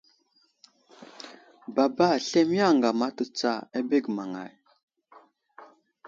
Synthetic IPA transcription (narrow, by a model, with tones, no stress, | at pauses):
ba˨ba˦˨ɬe˦m˦a˦˨ŋɡa˨ma˦tə˦t͡sa˦˨e˦be˦˨ɡma˨ŋa̰˨j